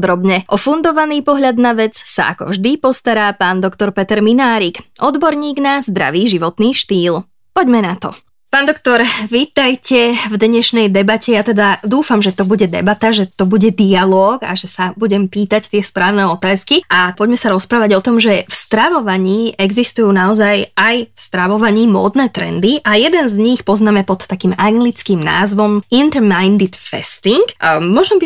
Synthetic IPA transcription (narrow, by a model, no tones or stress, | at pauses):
d̪ɾɔbɲɛʔɔfund̪ɔʋaniːpɔɦʎad̪naʋɛd͡zsa̰ʔa̰kɔ̰vʒd̪ipɔst̪aɾaːpaːnd̪ɔkt̪ɔɾpɛt̪ɛɾminaːɾikʔɔd̪bɔɾɲiːɡnazd̪ɾa̰ʋiːʒiʋɔt̪niːʃt̪iːl | pɔɟmɛnat̪ɔ̰ | paːnd̪ɔk̚t̪ɔɾʋiːt̪ajcɛvd̪ɲɛʃnɛjd̪ɛbacɛjat̪ɛd̪ad̪uːfamʒɛt̪ɔbuɟɛd̪ɛ̰bat̪aʒɛt̪ɔbuɟɛd̪ialɔːɡa̰ʒɛsabuɟɛmpiːt̪act̪ɪɛspɾaːʊnɛɔt̪aːskiʔapɔɟmɛsaɾɔspɾaːʋaɟɔt̪ɔmʒɛfst̪ɾaʋɔʋaɲiːʔɛɡzist̪ujuːnaɔzajajfst̪ɾaʋɔʋaɲiːmɔ̰ːd̪nɛːt̪ɾɛ̰nd̪iʔajɛd̪ɛnzɲixpɔznaːmɛpɔt̪ːakiːmaŋɡlit͡skiːmna̰ːzʋɔmint̪ɛɾmajnd̪it̪fɛ̰st̪iŋkmɔʒɛbi